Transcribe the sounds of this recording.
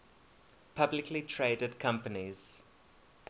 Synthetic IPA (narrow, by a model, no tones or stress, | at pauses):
pʰablɪkʰlitʰɹeːdədkʰãmpəniz̥